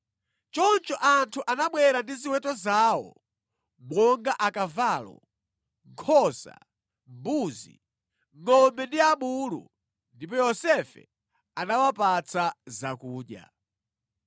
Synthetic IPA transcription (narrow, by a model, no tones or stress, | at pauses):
t͡ʃɔnt͡ʃɔʔantʰuʔanaɓwɛɾandiziwɛtɔzaːwɔ̰ | mwɔŋɡaʔakavaːlɔ̰ | ŋkʰɔza̰ | mbuːzḭ | ŋɔmbɛndiaɓuːlṵ | ndip̬ɔjɔsɛfɛ̰ | anawapat͡sazakuːɗja̰